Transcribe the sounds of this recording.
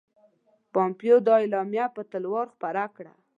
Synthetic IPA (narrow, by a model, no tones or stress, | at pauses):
pɑmpjod̪ɑɪlɑmjapət̪əlwɑɾxpaɾakɽa̰